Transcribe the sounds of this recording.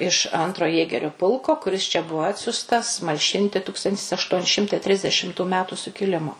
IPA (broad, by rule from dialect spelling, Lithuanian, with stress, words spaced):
ɪʃ ˈɐntroː ˈjeːɡʲɛrʲʊ ˈpʊlˠkoː kʊˈrʲɪs t͡ʃʲɛ ˈbʊʋoː ˈɑːtʲsʲʊstɐs mɐlʲˈʃʲɪnʲtʲɪ ˈtuːkstɐnʲtʲɪs ɐʃˈtuɔnʲɪ ˈʃʲɪmtɐɪ ˈtʲrʲɪzʲdʲɛʃʲɪmtuː ˈmʲæːtʊ sʊkʲɪˈlʲɪmoː